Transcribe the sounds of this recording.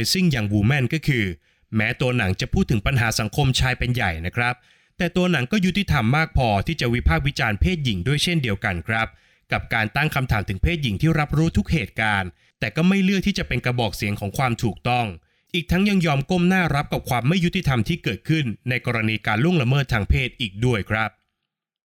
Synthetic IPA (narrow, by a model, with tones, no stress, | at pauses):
sɯ˥˩ŋjaː˨˩ŋwuː˧mɛ˥˩nkɔː˥˩kʰɯː˧ | mɛː˦˥t̪u˧ɐna˩˦ŋt͡ɕa˨˩pʰuː˥˩t̪ʰːɯ˩˦ŋpa˧nɦaː˩˦sa˩˦ŋkʰo˧mt͡ɕʰaː˧jpe˧nja˨˩jna˦˥kʰɾa˦˥p̚ | t̪ɛː˨˩t̪u˧ɐna˩˦ŋkɔː˥˩ju˦˥t̪i˨˩t̪ʰa˧mːaː˥˩k̚pʰɔː˧t̪ʰiː˥˩t͡ɕa˨˩wi˦˥pʰaː˥˩p̚wi˦˥t͡ɕaː˧npʰeː˥˩t̪̚ji˩˦ŋdu˥˩əjt͡ɕʰe˥˩ndi˧əwka˧nkʰɾa˦˥p̚ | ka˨˩p̚kaː˧nt̪a˥˩ŋkʰa˧mt̪ʰaː˩˦mt̪ɯ˩˦ŋpʰeː˥˩t̪̚ji˨˩˦ŋt̪ʰiː˥˩ɾa˦˥p̚ɾuː˦˥t̪ʰu˦˥k̚heː˨˩t̪̚kaː˧n | t̪ɛː˨˩kɔː˥˩ma˥˩jlɯ˥˩k̚t̪ʰiː˥˩t͡ɕa˨˩pe˧nkɾa˧bɔː˨˩k̚si˩˦ŋkʰɔː˩˦ŋkʰwaː˧mt̪ʰuː˨˩k̚t̪ɔ˥˩ŋ | ʔiː˨˩k̚t̪ʰa˦˥ŋja˧ŋjɔː˧mko˥˩mnaː˥˩ɾa˦˥p̚ka˨˩p̚kʰwaː˧mːa˥˩ju˦˥t̪i˨˩t̪ʰa˧mt̪ʰiː˥˩kɤː˨˩t̪̚kʰɯ˥˩nːa˧jkɔː˧ɾa˧niː˧kaː˧nlu˥˩əŋla˧mɤː˥˩t̪ʰːaː˧ŋpʰeː˥˩t̪̚ʔiː˨˩k̚du˥˩əjkʰɾa˦˥p̚